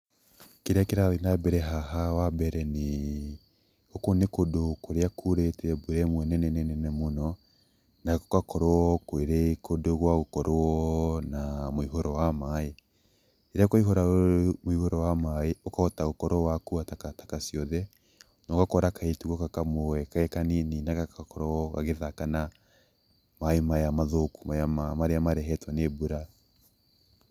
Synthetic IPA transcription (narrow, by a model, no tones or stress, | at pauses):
keɾeakeɾaɾinabɛɾɛɦaɦawabɛɾɛne | okonekodokoɾeakʰuɾetɛboɾɛmwɛnɛnɛnɛnɛnɛmonɔ | nako̥kakɔɾoɔkweɾekodoɣwaɣokɔɾoɔnamoiɦoɾɔwamae | eɾakoiɦoɾaomoihoɾɔwamaeokaɔtaɣokɔɾɔwakuatakatakasiɔðɛ | nɔkakɔɾakaetuɣɔkakamowɛkaɛkanininakakakɔɾɔɣaɣeðakana | maemajamaðoku̥maamamaɾeamaɾɛɦɛtwanebuɾa